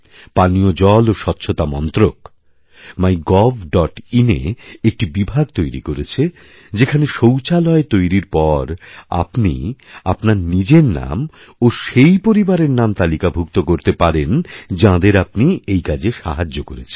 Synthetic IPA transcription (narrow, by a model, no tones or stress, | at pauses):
paniod͡ʑɔloʃɔt̪ːɕʰot̪amɔnt̪ɾok | majɡɔbʱɖɔʈinḛek̚ʈibibʱaɡ̚t̪ojɾḭkoɾet͡ɕʰe | d͡ʑekʰaneʃowt͡ɕalɔet̪ojɾiɾpɔɾa̰pnḭapnaɾnid͡ʑeɾna̰m | oʃejpoɾibaɾeɾnamt̪alikabʱuk̚t̪okoɾt̪epaɾend͡ʑãd̪eɾapniejkad͡ʑeʃa̰ɦad͡ʑːokoɾet͡ɕʰe̥